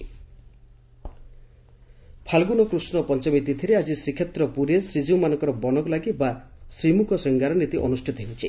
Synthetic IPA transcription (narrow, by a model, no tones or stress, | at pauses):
pʰalɡunɔkɾusnɔpɔnt͡ʃɔmit̪it̪ʰiɾead͡ʒisɾikʰjet̪ɾɔpuɾesɾid͡ʒiwmanɔŋkɔɾɔbɔnɔkɔlaɡibasɾimukʰɔsɔŋɡaɾɔnit̪iʔɔ̰nusʈʰit̪ɔɦewt͡ʃʰi